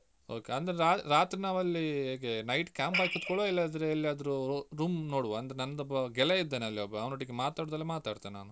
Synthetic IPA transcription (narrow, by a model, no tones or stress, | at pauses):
o̰ːkeɐnd̪ɐɾeɾaːɾaːt̪ɾinaːʋɐlːiɦeːɡenɐjʈkʲaːmpaːkid̪kɔɭoːilːɐid̪ɐɾeɐlːiaːd̪ɐɾuɾuːmnoːɽʋoɐnd̪ɐɾenɐnːɐd̪ɔbːɐɡɛleid̪ːeːneɐlːiɔbːɐɐʋnoʈːiɡemaːt̪aːɽud̪ɐlːemaːt̪aːɽt̪enna̰ːnu